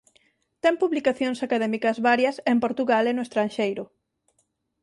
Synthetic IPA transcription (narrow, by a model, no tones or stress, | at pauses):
t̪ɛŋpuβlikaθjoŋsakaðɛmikɐzβaɾjɐsempoɾt̪uɣalenʊest̪ɾanʃejɾʊ